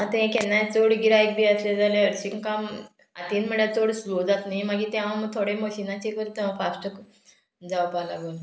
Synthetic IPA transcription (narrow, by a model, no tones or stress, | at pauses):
ãt̪ẽkenːat͡soɽɡiɾaek̚d̪iasled͡zalẽəɾsiŋkam | a̰t̪inm̤əɳjat͡soɽslod͡zat̪najmaɡiːt̪ɛʋãməɡ̚t̪ʰoɽeməɕinat͡ɕekəɾt̪eãfasʈək | d͡zawpala̰ɡol